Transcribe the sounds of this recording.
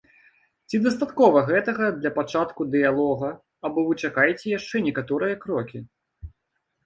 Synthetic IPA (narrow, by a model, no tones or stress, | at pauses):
t͡sʲid̪ɐst̪at̪kɔvɐɣɛt̪ɐɣɐd̪lʲɐpat͡ʂat̪kud̪ɨjalˠɔɣɐː | bɔvɨt͡ʂakajɛt͡sʲɛjaʂt͡ʂɛnʲɛkat̪ɔɾɨjɐkɾɔkʲi